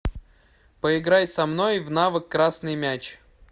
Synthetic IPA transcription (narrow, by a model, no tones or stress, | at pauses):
pəɪɡɾajsɐmnojvnavɨkːɾasnɨjmʲæt͡ɕ